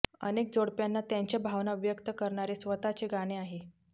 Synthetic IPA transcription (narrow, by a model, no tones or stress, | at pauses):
ə̰nek̚d͡zoɽpjanːat̪jaɲt͡ɕjabʱaʋnaʋjəkt̪əkəɾɳaɾesʋət̪at͡ɕeɡaɽ̃eaɦe